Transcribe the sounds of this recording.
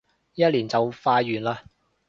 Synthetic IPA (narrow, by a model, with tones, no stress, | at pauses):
jɐ˥t̚liː˨˩nt͡sɐ˨wfaː˧jːyː˨˩nlaː˧